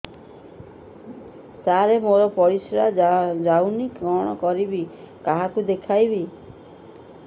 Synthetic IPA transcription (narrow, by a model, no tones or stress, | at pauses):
t̪aɾemoɾɔpɔɾisɾad͡ʒawnikɔɽ̃ɔkɔɾibi | kaɦakud̪ekʰajbi